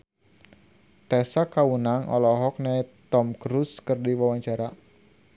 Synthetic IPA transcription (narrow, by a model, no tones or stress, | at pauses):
t̪ɛsakawunaŋʔɔ̰lɔɦɔk̚nɛt̪ɔmkɾuskərdiwawaɲt͡ʃaɾa